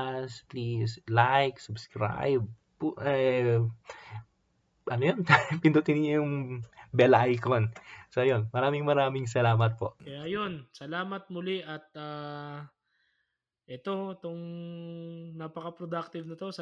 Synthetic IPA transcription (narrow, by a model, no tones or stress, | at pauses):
splislajksʊbskɹa̰jb̚ | pʔɛ | ʔɐnojonpɪnd̪ut̪ɪnɪɲojʊŋbɛlɐʔajkonsojonmɐɾaːmɪŋmɐɾaːmɪŋs̬ɐlaːmɐt̪̚po̞̰ʔkɐjajonsɐlaːmɐt̪̚mʊliʔɐt̪̚aː | ʔɛt̪o̞ɛt̪oŋ | napɐkɐpɾod̪ak̚t̪ɪvnɐt̪osɐ